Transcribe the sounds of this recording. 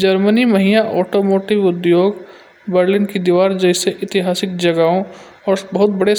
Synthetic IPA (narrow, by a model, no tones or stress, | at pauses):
d͡ʒɐɾmənimɐɦijaʔɔːʈoːmoːʈɪʋʊd̪joːɡ | bəɾlɪnkid̪iʋaːɾd͡ʒɐɪseʔɪt̪ɪɦaːsɪkd͡ʒɐɡaõ | ɔːɾbɐɦʊt̪̚bɐɽe